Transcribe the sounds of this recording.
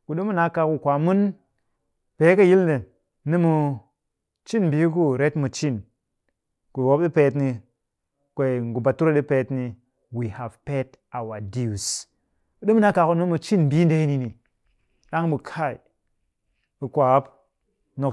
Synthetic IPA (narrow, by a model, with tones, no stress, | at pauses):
ku˨ɗu˦mu˦na˨˦ka˨ku˨˧kʷa˨mu˦n | pe˨˦kə˦ji˦lne˨ | nɨ˦mu˨ | t͡ʃi˦nbi˨˦k̬u˦ɾe˨˦tmu˨t͡ʃi˦˨n | ku˨wo˨˦p̚ɗi˦pe˨˦tni˧ | kʷe˨i˨ŋ˨ɡu˨ba˨tu˦ɾa˦ɗi˦pe˨˦tni˨ | wi˨ha˨vpe˦t | a˨wa˨di˦u˨s | ku˨ɗi˦mu˦na˦ka˨ku˨nɨ˦mu˨˧t͡ʃi˦nbi˦n˦de˨˦ni˨ni˨ | ɗa˦ŋbu˨kʰa˦˨ḭ˨ | i˨kʷa˨˦p | no˨k